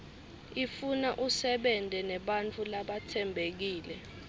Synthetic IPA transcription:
ifunaʔusɛɓɛntʼɛnɛɓant͡fʰulaɓatʰɛmbʱek̬iːlɛ

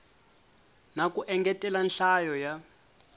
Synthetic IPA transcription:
nakuʔɛŋɡɛtʼɛlanɬajɔja

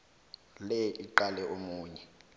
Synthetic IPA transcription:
lɛʔiǃalɛʔomuːɲɛ

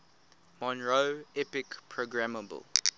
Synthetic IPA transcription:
mɔ̃nɹoɛpɪkpʰɹoɡɹaməbə̰lˠ

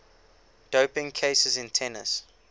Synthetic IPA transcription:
d̥oʊpɪ̃ŋkʰeɪsəzɪ̃ntʰɛnə̰s

